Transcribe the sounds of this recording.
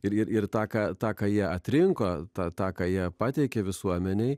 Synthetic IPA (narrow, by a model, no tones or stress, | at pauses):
ɪɾɪɾʔɪɾt̪ɑːkɑːt̪ɑːkɑːjiɛɐt̪ʲɾʲɪŋkoːt̪ɑːt̪ɑːkɑːjiɛpɑːt̪ʲɛɪkʲɛʋʲɪsuɔmʲɛnʲɛɪ